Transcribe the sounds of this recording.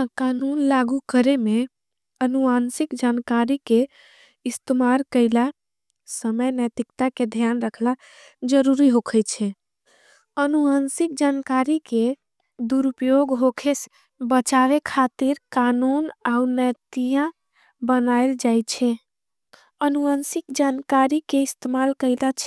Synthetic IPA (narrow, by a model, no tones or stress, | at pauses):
akanunlaɡukəɾeme | ənuansikd͡ʒankaɾike | ist̪əmaɾkəɪla | səməjnəjt̪ikt̪aked̪ʱijanɾəkʰla | d͡ʒəɾuɾiɦokʰət͡ʃʰɛ | ənuansik̚d͡ʒankaɾike | d̪uɾupjoɡɦokʰes | bət͡ʃaʋekʰat̪iɾkanunaunət̪ijã | bənajld͡ʒajt͡ʃʰɛ | ənuənsikd͡ʒankaɾikeist̪emalkəɪlat͡ʃʰ